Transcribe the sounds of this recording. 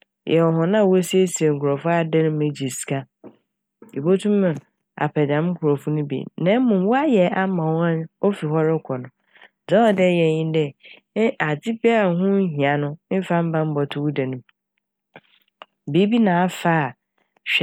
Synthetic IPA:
jʔɛ˨ɔ˨ɦʊ̃˨nã˦˨wsi˦e˦si˨e˨ŋ̩˨kʰu˨ɾɔ˨fʊ˦a˦dɛ˦nʊ̃˦mẽ˨d͡ʑi˨si̥˨kʰa˦ | i˨bo˦tʰũ˦mã˨ | a̰˨pʰɛ˨dã˨˦m˦kʰu˨ɾo˨fʊ˦nʊ̃˦bḭ˨nã˦mʊ̃˨m˦wɔ˦a˦jɛ˨ʔa˦mã˨wã˦n˦o˦fi˨ɦɔ˦ɾɪ˦kʰɔ˨nʊ̃˨ | d͡zɔ˦ɔ˨dɛ˦˨jɛ˨ɲɪ̃˦n˦dɛ˦ | a˨d͡ʑɪ˦bɛ˦a˨˦ɦʊ̃˦ɦĩ˨a˨nʊ̃˦m̩˦fa˦m̩˦bã˦m̩˦bɔ˨tʰʊ˦wu˦da˨nʊ̃˦m | bi˦bi˦nãː˨˦fa˦˨ | ɕᶣ

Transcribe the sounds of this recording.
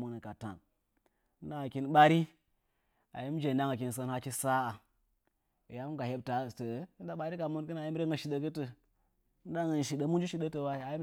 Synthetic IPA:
mu˦nə˨ka˨ta̰˨n˦ | da˦ŋa˨ki˦nɓa˦ɾi˦ | a̰˨ji˦m˦d͡ʒe˨da˦ŋa˨k̬i˨n˨s̬ə˦nha˦t͡ʃi˦sa˦a˨ | ja˦mu˦ka˨he˦b̚ta˨tə˨˦i˦nda˦ɓa˦ɾi˦ka˨mu˦nkɨ˦na˨ji˦m˦ɾe˦ŋɡə˨ʃi˨ɗə˦kə˦tə˨˦ | da˦ŋə˨n˨ʃi˨ɗə˦mu˦n˦d͡ʒi˦ʃi˨ɗə˦tə˨wa˦˨a˨ji˦m

